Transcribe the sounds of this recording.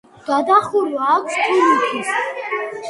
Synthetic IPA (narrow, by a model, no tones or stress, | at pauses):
d̪̥ad̪aχuɾvaːkʷʰst̪ʰunit̪ʰis